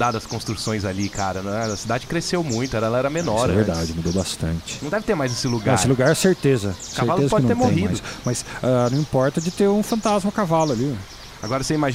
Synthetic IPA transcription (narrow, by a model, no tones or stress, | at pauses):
d̪ad̪ɐskõst̪ɾusõj̃zalikʰaɾɐnɛɐsid̪ad͡ʒɪkɾesewmũj̃t̪ʊɛɾɐɛlɐɛɾɐmenɔɾɛɛveɾd̪ad͡ʒɪmud̪owbast̪ɐ̃nt͡ʃɪ̥nɐ̃d̪ɛvɪt̪eɾmajzesɪluɡãɾesɪluɡaɾɛseɾt̪ezɐskaeɾvalʊezɐpɔd͡ʒknɐt̪emoẽjhĩmadʊsmɐsanɐ̃w̃ĩpɔɾt̪ɐd͡ʒɪt̪eɾũfɐ̃nt̪azmɐkavalʊali | aɡɔɾɐseimaʒ